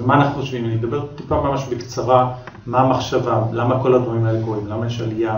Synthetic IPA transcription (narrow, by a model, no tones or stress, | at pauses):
maːnaχnχoʃvimanimed̪abe̞ʁt̪ipamamaʃbekt͡saʁa | mamaχʃavalamako̞lad̪vaʁimaelekoʁimlamajeʃalija